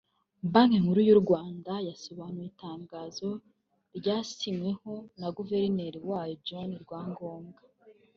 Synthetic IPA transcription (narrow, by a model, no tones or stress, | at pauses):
baŋeŋuɾujuɾɡwaːndajaso̞βanujitaːŋɡaːzo̞ | ɾɟaːsimwe̞ho̞naɡuve̞ɾineɾiwaːjod͡ʒoniɾɡwaːŋɡo̞ːmɡḁ